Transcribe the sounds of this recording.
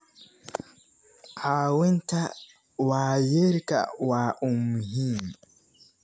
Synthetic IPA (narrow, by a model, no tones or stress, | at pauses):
haːwɪnta | waːjɪɾka̰waːʔʊmhim